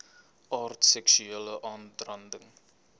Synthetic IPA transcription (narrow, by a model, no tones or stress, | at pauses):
ʔɑːrtsɛksyeːləʔɑːndrɐndəŋ